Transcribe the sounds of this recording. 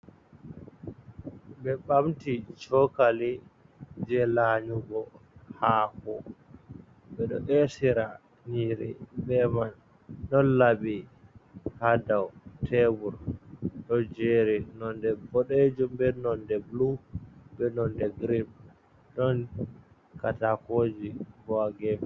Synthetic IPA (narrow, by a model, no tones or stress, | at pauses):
bɛɓamtit͡ʃɔkali | d͡ʒɛlaɲuɡɔ | hakɔ̰ | ɓɛɗɔ̰ʔɛsiɾa | niɾḭbɛman | ɗɔnlaɓi | hadawtʰɛbuɾɗɔd͡ʒeɾinɔndɛbɔɗed͡ʒumbɛnɔndɛblubɛnɔndɛɡɾib̚ | ɗɔn | katakod͡ʒibɔaɡɛm